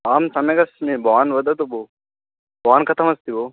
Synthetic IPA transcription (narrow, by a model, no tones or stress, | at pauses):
aːmsɐmɐjkɐsmibʱɐʋanʋɐd̪ɐt̪obo | bʱɐʋankɐt̪ʰɐmɐst̪ibo